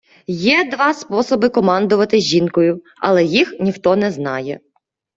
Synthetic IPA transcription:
jɛd̪ʋɑspɔsɔbɪkɔmɑnd̪ʊʋɐt̪ɪzʲʒinkɔjʊ | ɐ̰lˠɛjixnʲixt̪ɔnɛznɑ̰jɛ

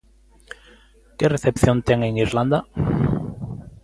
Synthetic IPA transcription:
kereθepθjont̪eŋeŋiɾland̪a

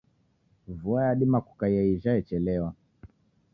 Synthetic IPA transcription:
vuajaɗimakukaijaiʒaɛt͡ʃɛlɛwa

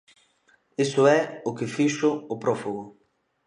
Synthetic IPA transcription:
isʊɛʊkɪfiʃʊːpɾɔfuɣʊ

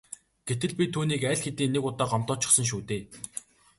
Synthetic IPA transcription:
ɡ̥et̪ɘ̆ɮpʲit̪ʰuːniːkæɮxet̪iːnekʊt̪aːɢam̥t̪ɔːt͡ɕɪ̥̆χsə̆ŋʃ̬uːt̪eː

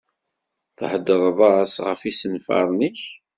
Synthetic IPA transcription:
θhəd̪ːəɾˤðˤɑɾsʁə̰fisənfɑ̰ɾˤnəç

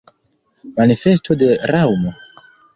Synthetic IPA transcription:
manife̞s̬to̞deɾawmo̞

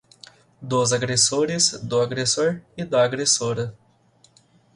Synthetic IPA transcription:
d̪ʊzaɡɾesoɾɪzd̪ʊaɡɾesoɾɪd̪ɐaɡɾesoɾɐ

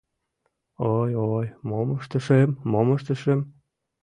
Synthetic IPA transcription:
ojojmoməʃt̪ə̆ʃemːoməʃt̪ə̆ʃem

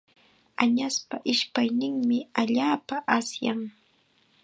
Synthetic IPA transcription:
aɲaspaʔɪʃpajnɪŋmɪaʎaːpaʔasjaŋ

